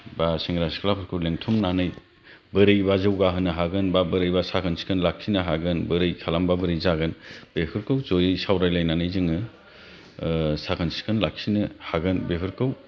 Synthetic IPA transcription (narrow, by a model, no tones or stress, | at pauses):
basiŋɡɾasi̥kʰlapʰɯɾkʰɯwleŋtʰumnanɯj | bɯɾɯjbazɯwɡaɦɯnɯɦaɡɯnbabɯɾɯjbasakʰɯnsi̥kʰɯnlak̚sʰinɯɦaɡɯnbɯɾɯjkʰalambabɯɾɯjzaɡɯnb̥epʰɯɾkɯwzojɯsawɾajlajnanɯjzɯŋɯ | sakʰɯnsi̥kʰɯnlak̚sinɯhaɡɯnbepʰɯɾkɯw